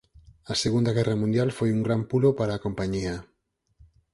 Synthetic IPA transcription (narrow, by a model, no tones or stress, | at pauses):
aseɣund̪aɣɛramũnd̪jalfojuŋɡɾampulopaɾaːkompaɲia